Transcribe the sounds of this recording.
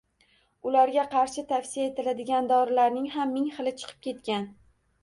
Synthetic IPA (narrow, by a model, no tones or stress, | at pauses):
ʊlaɾɡʲaqʰɑɾʃɪt̪ʰafsijae̞t̪ɪlad̪ɪɡʲand̪ɒɾɪlaɾnɪŋɦamːɪŋχɨlˠɪt͡ʃʰɨ̥qʰɨ̥p̚kʲʰe̞t̪kʲan